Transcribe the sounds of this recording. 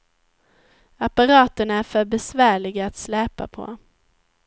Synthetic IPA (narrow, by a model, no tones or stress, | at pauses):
apaɾɑːt̪ənæɾfœɾbɛsvæːɭɪɡaat̪slɛːpa̰pʰɔ̰